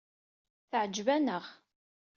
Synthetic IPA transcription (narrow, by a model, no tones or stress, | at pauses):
θʕəd͡ʒvænəʁ